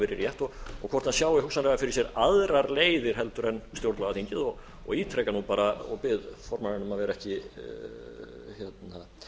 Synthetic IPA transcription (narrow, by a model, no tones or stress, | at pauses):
fɪɾɪɾjɛht̪ɔɣɔɣkʰvɔrt̪ansjaːwɪhuksanɾɛafɪɾɪ̥ɾsjɛɾaðɾaɾleːjðɪɾ̥ɦɛlt̪ʏɾɛnst̪jowɾt̪laɣaθiɲcɪðɔɣ | ɔ̰ɣiːt̪ʰɾɛjkanupaːɾaɔ̰pɪðfɔɾmanɪnʏmavɛɾaɛhcɪ | çjɛt̪na